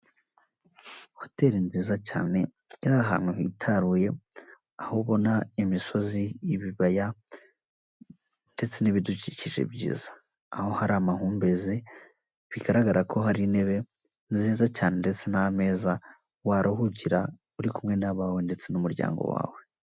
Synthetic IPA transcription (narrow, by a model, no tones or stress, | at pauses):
hote̞ɾinziːzaca̰ːne̞ | iɾaɦa̰ːmwehitʰaɾuːje̞ | ahoβo̞naimiso̞zijiβiβaja | nde̞t͡se̞niβiduciciʒe̞̰bɟḭːzaː | ho̞haɾamaɦuːmbe̞zi | βiɡaɾaɡaɾʔakʰo̞ɦaɾine̞βe | nziːzacaːne̞nde̞t͡se̞name̞ːza | waɾʔohuɟiɾa | uɾikumŋe̞naβawende̞t͡se̞numuɾɟa̰ːŋɡo̰wa̰ːwe̞